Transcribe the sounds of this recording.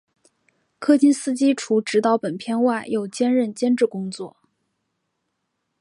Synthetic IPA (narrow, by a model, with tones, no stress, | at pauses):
kʰɤ˥t͡ɕi˥nsɹ̩˥t͡ɕi˥ʈ͡ʂʰu˧˥ʈ͡ʂɻ̩˧˥t̪ɑ˧˥ʊpə˨˩npʰjɛ˥˧nwa˥˩ɪjo˥˩ʊt͡ɕjɛ˥nɻə˥˩nt͡ɕjɛ˥nʈ͡ʂɻ̩˥˩kʊ˥ŋt͡swɔ˥˩